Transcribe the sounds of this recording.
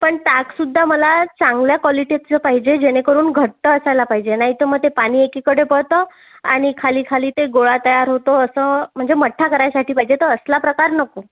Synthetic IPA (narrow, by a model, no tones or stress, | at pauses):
pəɳt̪aksud̪ʱːaməlat͡sãŋɡljakʋɔliʈiat̪t͡səpaɦid͡ʑed͡ʑeɽ̃ekəɾuːnɡʱəʈ̚t̪əːsajlapaɦid͡ʑenaɦit̪əməɡ̚t̪epaɽ̃iːekikəɽepəɽt̪ə | a̰ɽ̃ikʰaliːkʰaliːt̪eɡoɭat̪əjaɾɦot̪oəsəːm̤əɳd͡zeməʈʰːakəɾajasaʈʰiːpaɦid͡ʑet̪əəslapɾəkaɾnəko